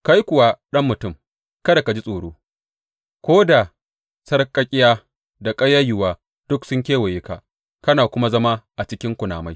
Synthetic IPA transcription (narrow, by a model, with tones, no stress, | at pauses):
ka˦jkʷʊ˨wa˦ɗɐ˦mːʊ˨tʊ˦˨m | kɐ˦da˨ka˨d͡ʒi˦sʼoː˨ɽoː˦ | kʷoː˦da˨ | sɐ˦rkʼɐ˦kʲʼɪ˦jaː˦ | da˨kʼɐ˦ja˦jʊ˨waː˨ | d̥ʊ˦ksʊ˦ŋk̬ʲeː˦wɐ˨jeː˦ka̰˨ | kɐ˦naː˨kʷʊ˦ma˦zɐ˦ma˦ʔa˨t͡ʃɪ˦kʲɪ˦ŋkʷʊ˨na̰ː˨ma˦j